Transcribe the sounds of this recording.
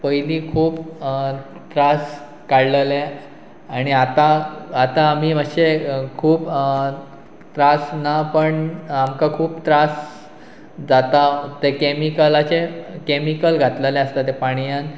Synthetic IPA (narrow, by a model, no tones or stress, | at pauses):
pəjliːkʰuːp | t̪ɾas | kaɽləle | aɽ̃iat̪aat̪aːmiːməɕekʰuːp | t̪ɾasnapəɳamkakʰuːpt̪ɾas | d͡zat̪at̪ekemikəlat͡ɕekemikəlɡʱat̪ləlẽəst̪at̪epaɽ̃ijan